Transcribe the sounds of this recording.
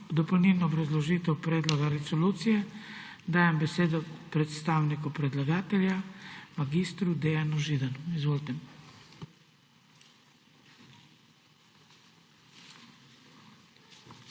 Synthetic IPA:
d̪ɔpownilnɔːbɾazlɔʒiːt̪ɛwpɾɛːd̪lɔɡaɾɛsɔluːt̪sijɛ | d̪aːjɛmbɛseːd̪ɔpɾɛt̪st̪aːwnikupɾɛd̪laɡaːt̪ɛlʲjamaɡiːst̪ɾud̪ɛjanuʒiːd̪anuizʋoːlt̪ɛm

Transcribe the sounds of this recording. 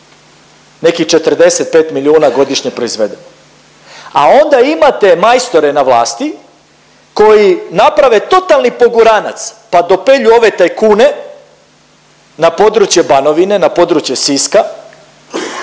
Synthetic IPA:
ne̞kixt͡ʃe̞t̪rd̪e̞se̞t̪̚peːt̪miliuːnaɡo̞d̪iʃɲepɾo̞izʋe̞d̪eno | a̰o̞nd̪aimat̪e̞majst̪o̞ɾe̞naʋlˠaːst̪i | ko̞jinapɾaʋe̞t̪o̞t̪alˠnipo̞ɡuɾana̰t̪spad̪o̞pe̞ʎuo̞ʋe̞t̪ajkuːne̞ | napo̞d̪ɾut͡ɕje̞bano̞ʋine̞napo̞d̪ɾut͡ɕje̞siska

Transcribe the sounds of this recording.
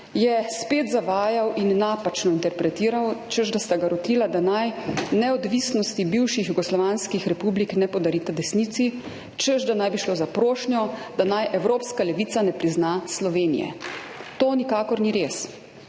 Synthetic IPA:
jɛspeːt̪zaʋaːjawʔinːaːpat͡ʃnɔint̪ɛɾpɾɛt̪iːɾawt͡ʃəʒd̪ast̪aɡaɾɔt̪iːlad̪anajnɛɔd̪ʋisnɔst̪ibiwʃixjuɡɔslɔʋanskixɾɛpubliknɛpɔd̪aɾit̪ad̪ɛsniːt̪si | t͡ʃəʒd̪anajbiʃloːzapɾoːʃnʲjɔd̪̥anajʔɛwɾoːpskalɛʋiːt̪sanɛpɾiznaslɔʋeːnḭjɛ̰t̪oːnikaːkɔɾniɾeːs

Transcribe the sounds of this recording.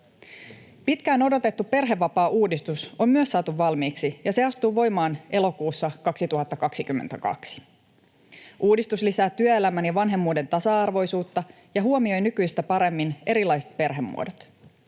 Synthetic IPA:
pit̪kæːno̞do̞t̪e̞t̪ːuppe̞rɦe̞ʋːɑpɑːʔuːdist̪usommyøsːɑːt̪uʋːɑlmiːksijɑse̞ɑst̪uːʋo̞jmɑːnʔe̞lo̞kuːsːɑkɑksit̪uɦɑt̪ːɑkɑksikymːent̪ækɑ̰ksi̥ | ʔuːdist̪uslisæːt̪ːyøelæmænjɑʋɑnɦe̞mːuːde̞nt̪ɑsɑɑrʋo̞jsuːt̪ːɑ | jɑɦuomio̞jnykyjst̪æpɑɾe̞mːine̞ɾilɑjse̥t̪̚pe̞rɦe̞mːṵodot̪

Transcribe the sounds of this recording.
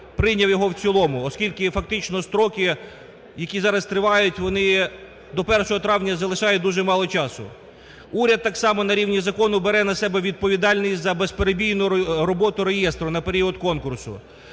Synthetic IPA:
pɾɪnʲɐwjɔɦɔwt͡sʲilˠɔmʊɔskʲilʲkɪfɐk̚t̪ɪt͡ʃnɔst̪ɾɔkɪ | jɐkʲizɑɾɐst̪ɾɪʋɑjʊtʲʋɔnɪ | d̪ɔpɛrʃɔɦɔt̪ɾɑwnʲɐzɐlˠɪʃɑjʊd̪uʒɛmɑlˠɔt͡ʃɑsʊ̰ | uɾʲɐd̪̚t̪ːɑksɑmɔnɐɾʲiwnʲizɐkɔnʊbeɾɛnɐsɛbɛʋʲid̪̚pɔʋʲid̪ɑlʲnʲisʲzɐbespeɾebʲijnʊɾɔbɔt̪ʊɾejɛst̪ɾʊnɐpeɾʲiɔd̪kɔnkʊrsʊ̰

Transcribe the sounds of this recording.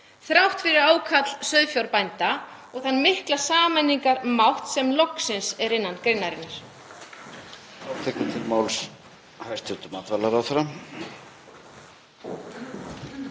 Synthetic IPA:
θɾawht̪fɪɾɪɾaːwkʰat̪l̥sœðfjawɾpajnt̪a | ɔɣθanːmɪhklasaːmanːiŋkaɾmawht̪sɛmlɔksɪnsɛɾɪnːankɾejnːaɾɪnːaɾ̥ | t̪ʰɛːhkʏt̪ʰɪlmaːwls | hajst̪ɪt̪ʏmaːt̪valaɾawθɾam

